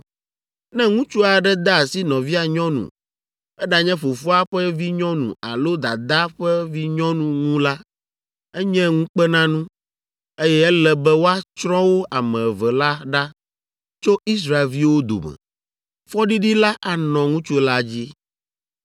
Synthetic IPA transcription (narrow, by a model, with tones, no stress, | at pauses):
nɛ̃˦ŋũ˦t͡ʃu˦a˨ɖɛ˦d̪a˦˨si˦nɔ̃˨vi˦a˨ɲɔ̃˦nṵ̃˨ | ɛ˦ɖa˨ɲɛ̃˦ɸo˨fo˦a˦ɸɛ˦vi˦ɲɔ̃˦nṵ̃˨a̰˨lo˦d̪a̰˨d̪a˦ɸɛ˦vi˦ɲɔ̃˦nũ˦ŋũ˦la˦ | ɛ˦ɲɛ̃˦ŋũ˦k͡pɛ˦nã˦nũ˦ | e˦jɛ˦ɛ˦lɛ˨bɛ˦wo˦a˦t͡ʃɾɔ̃˦wo˦ʔa˨mɛ̃˨vɛ˨la˦ɖa˦ | t͡ʃo˦i˦s̬ɾa˨e˨lvi˦wo˦d̪o̰˨mɛ̰̃˨ | fɔ˦ɖi˦ɖi˦la˦ʔa˨nɔ̃˨ŋũ˦t͡ʃu˦la˦d͡ʑi˦